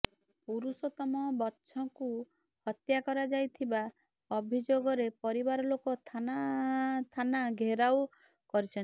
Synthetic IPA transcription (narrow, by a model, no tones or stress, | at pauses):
uɾusɔt̪ɔmɔbɔːʃʰɔŋku | hɔt̪jakɔɾad͡ʒajt̪ʰiba | ɔbʱid͡ʒoɡɔɾepɔɾibaɾɔlokɔt̪ʰanat̪ʰanaɡʱeɾaw | kɔɾit͡ʃʰɔn